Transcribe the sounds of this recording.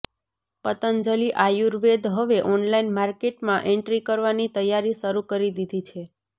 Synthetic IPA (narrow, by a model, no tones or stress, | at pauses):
pət̪ənd͡ʒəliʔajuɾʋed̪ɦəʋeʔɔnlainmaɾkeʈmãʔɛ̃ɳʈɾikəɾʋanit̪əjːaɾiʃəɾukəɾid̪id̪ʱit͡ʃʰe